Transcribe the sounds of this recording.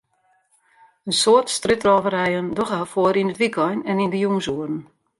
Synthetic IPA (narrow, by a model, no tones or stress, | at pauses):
ənsoərtstrøtrɔːvərɛjəndɔxafoəɾinətʋikʰɔjnɛnindəjuŋsuərən̩